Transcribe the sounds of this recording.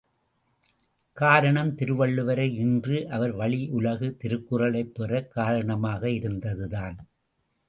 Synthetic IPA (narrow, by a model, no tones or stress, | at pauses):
kaːɾɐɳɐmt̪ɪɾɯʋɐɭːɯʋɐɾɐɪɪndrɯʔɐʋɐɾʋɐɭɪʔʊlɐɣɯt̪ɪɾɯkːɯrɐɭɐɪpːɛrɐkːaːɾɐɳɐmaːɣɐɪɾɯnd̪ɐðɯðaːn